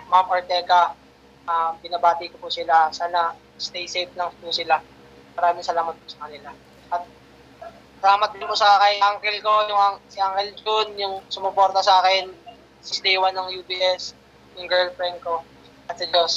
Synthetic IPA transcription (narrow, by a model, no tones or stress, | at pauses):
mamʔoɹt̪ɛːkɐ | ʔɐmbɪnabaːt̪ɪkopʊsɪlasaːnɐ | st̪ejsejp̚lɐŋpusɪla | mɐɾaːmɪŋsɐlaːmɐt̪̚pʊsɐkɐnɪla | ʔɐt̪̚ | sɐlaːmɐt̪̚d̪ɪnpʊsɐkɐjʔaŋkɛlko̞jʊŋʔasɪʔaŋkɛld͡ʒonjʊŋsʊmʊpo̞ɾt̪ɐsaːkɛn | sɪslɛwanːɐŋjupiːʔɛs | jʊŋɡɛɹlfɾɛnko | ʔɐt̪̚sɐd͡ʒos